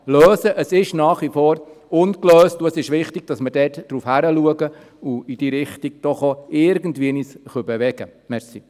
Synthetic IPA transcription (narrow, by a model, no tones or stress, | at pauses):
løːsəʔəsɪʃnaːχʋifɔːɾʊnkløːstuəsɪʃʋɪχtɪɡ̥̚d̥ɑsməd̥ɛːtd̥ɾufhæɾəluəɡə | ʊid̥iːɾɪχtiɡ̚d̥ɔχoʔɪɾɡən̩tʋiənisχœbeʋɛɡ̥əmɛɾsi